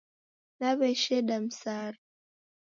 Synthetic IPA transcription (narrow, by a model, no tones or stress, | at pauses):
naβɛʃɛɗam̩saɾa